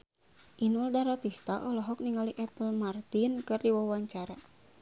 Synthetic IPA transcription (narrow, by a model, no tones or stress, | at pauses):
ʔinuldaɾat̪ist̪aʔɔlɔɦɔk̚niŋaliʔɛpəlmart̪inkɨrdiwawaɲt͡ʃaɾa